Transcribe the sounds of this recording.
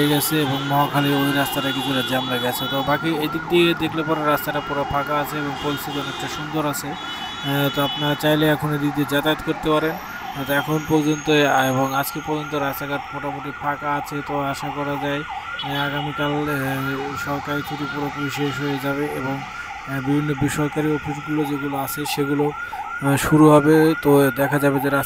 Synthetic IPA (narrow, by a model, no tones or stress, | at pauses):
eɡɛt͡ɕʰeeboŋmɔɦakʰaliojɾast̪aʈakit͡ɕʰuʈad͡ʑamlaɡɛt͡ɕʰet̪obakied̪ik̚d̪iked̪ekʰlepaɾeɾast̪aʈapuɾapʰakaat͡ɕʰeeboŋpolisid͡ʑ̪onɛk̚ʈaʃund̪oɾat͡ɕʰe | t̪oapnaɾt͡ɕajleɛkʰoned̪id̪ed͡ʑat̪at̪koɾt̪epaɾen | t̪oɛkʰonpɔɾd͡ʑont̪oeboŋad͡ʑkepɔɾd͡ʑont̪̬oɾaaɡaʈ̚pɔʈamoʈipʰakaat͡ɕʰet̪oaʃakɔɾad͡ʑaeaɡamikal | ʃɔɾkaɾit̪ʰut̪upuɾopoɾiʃeʃɦoed͡ʑabeeboŋ | bibʱinːobiʃɔɾkaɾiofʰiʃɡulod͡ʑeɡuloat͡ɕʰeʃeɡulo | ʃuɾuɦɔbet̪od̪ɛkʰad͡ʑabed͡ʑeɾa